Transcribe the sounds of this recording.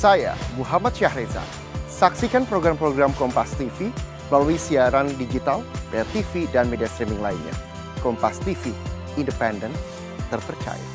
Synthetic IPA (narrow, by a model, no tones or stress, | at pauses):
saja̰muɦamat̪̚ʃahɾeza̰ | saksikanpɾoɡɾampɾoɡɾamkɔmpast̪ifi | laluisiaɾandid͡ʒit̪aldart̪ifidanmediast̪ɾimɪŋlainɲa̰ | kɔmpast̪ifi | indəpɛndən | t̪ːərpərt͡ʃa̰ja̰